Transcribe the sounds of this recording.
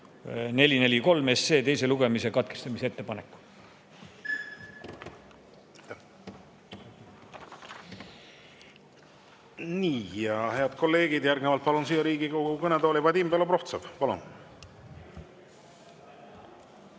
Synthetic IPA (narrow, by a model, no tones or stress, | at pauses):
ne̞lʲine̞lʲiko̞lme̞sːe̞ːt̪e̞jse̞luɡe̞mis̬ekɑt̪̚ke̥st̪ɑmisee̞t̪ːe̞pɑnekːu̥ | t̪ːæ | niːjɑhe̞ɑd̪ko̞lːe̞ːɡ̥id̪̥jærɡnevɑlt̪̚pɑlunsijɑɾiːɡ̥ikoɡukɤnet̪oːlipɑd̪iːmbelopro̞ht̪sɑv̥pɑlṵn